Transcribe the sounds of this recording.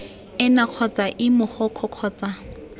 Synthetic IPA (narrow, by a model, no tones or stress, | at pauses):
ɪnaq͡χʰɔt͡sʼaʔɪmʊhɔkʰɔq͡χʰɔːt͡sʼa